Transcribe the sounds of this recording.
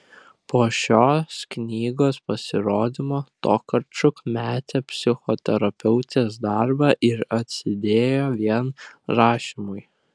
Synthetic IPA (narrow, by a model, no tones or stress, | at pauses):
poːʃʲoːsknʲiːɡoːspɐsʲɪɾoːd̪ʲɪmoːt̪oːkɐɾt͡ʃʊkmʲæːt̪ʲepʲsʲɪxot̪ʲɛɾɐpʲɛʊt̪ʲeːsd̪ɐɾbɑːʔɪɾɐt̪ʲsʲɪd̪ʲeːjoːʋʲiɛnɾɑːʃʲimʊɪ